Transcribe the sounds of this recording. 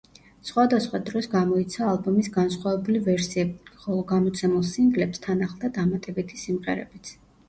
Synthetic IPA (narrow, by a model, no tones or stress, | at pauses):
sχwad̪asχwad̪ɾɔsɡamɔit̪sʰaːlˠbɔmisɡansχwavɛbulivɛɾsiɛbχɔlˠɔɡamɔt̪sʰɛmulˠsiŋɡlɛpst̪ʰanaχlˠd̪ad̪amat̪ʼɛbit̪ʰisimʁɛɾɛ̰bit̪sʰ